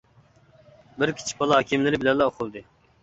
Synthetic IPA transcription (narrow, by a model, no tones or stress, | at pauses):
bɪɾkʲʰi̥t͡ʃʰi̥pbɑlˠɑɦɑkʲimlɪɾɪbɪlɛllːɛoqʰʊlˠd̪ɨ